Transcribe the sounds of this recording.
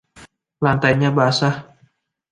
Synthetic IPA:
lant̪ajɲabaasah

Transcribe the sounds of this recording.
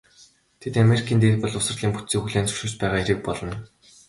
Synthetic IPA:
t̪ʰet̪ameɾikʰiːnt̪eːt̪̚pə̆ɮʊsə̆rɮiːŋput̪t͡siːxuɮeːnt͡sɵ̥ʃŭːt͡ɕpæːʁaːeɾĭk̚pɔɮɞ̆n

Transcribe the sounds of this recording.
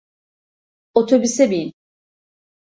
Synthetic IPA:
ot̪ʰobysɛbin

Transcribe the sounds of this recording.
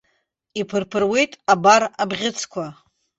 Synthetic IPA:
ipʰɨrpʰɨrwe̞jtʼabarabʁʲɪt͡sʰkʷʰa

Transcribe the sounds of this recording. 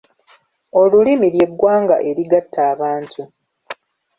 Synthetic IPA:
olulimilje̞ɡːwaːŋɡa̰ʔe̞ɾiɡatʰːaːβaːntʰu

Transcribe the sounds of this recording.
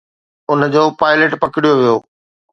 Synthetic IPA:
ʊnə̆d͡ʑoːpaːɪleʈpɐkɪɽijoʋijoː

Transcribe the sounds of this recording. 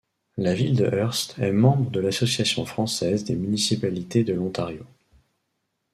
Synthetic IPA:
lavild̪əʔœʁst̪ʰɛmɑ̃bʁəd̪əlasɔsjasjɔ̃fχɑ̃sɛzd̪emynisipalit̪ed̪əlɔ̃t̪aʁjo̰

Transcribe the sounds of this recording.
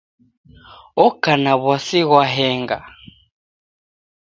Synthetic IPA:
ɔkanaβwasiɣwaɦɛŋɡa

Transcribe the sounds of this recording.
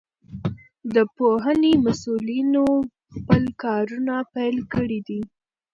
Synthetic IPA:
d̪əpoɦənemasulino | xpəlkɑɾunapajlkəɽid̪i

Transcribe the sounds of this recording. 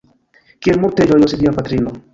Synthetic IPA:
kielmuɾted͡ʒojosid̪iapat̪ɾino

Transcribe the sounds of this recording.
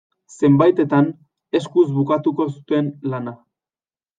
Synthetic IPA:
se̞mbajt̪e̞t̪an | e̞skuzβukat̪uko̞su̥t̪e̞nlana

